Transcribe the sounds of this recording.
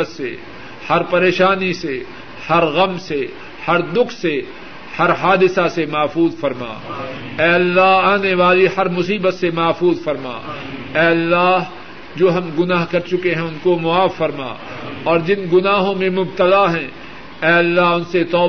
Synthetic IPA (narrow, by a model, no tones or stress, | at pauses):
ət̪sḛ | hɐɾpɐɾeːʃaːnise | hɐɾɣɐmse | hɐɾd̪ʊkʰse | hɐɾɦaːd̪ɪsasemɐːfuːzfɐɾma̰ː | ɛːɐlːaːɦaːneʋaːlihɐɾmʊsiːbət̪semɐːfuːzfɐɾma̰ː | ɛːɐlːaːɦ | d͡ʒoːɦɐmɡʊnaːɦkɐɾt͡ʃʊkeɦɛ̃ʊnkomʊaːfːɐɾma̰ː | ɔːɾd͡ʒɪnɡʊnaːɦõmẽmʊb̚t̪əlaɦɛ̃ | ɛːɐlːaɦʊnset̪ɔː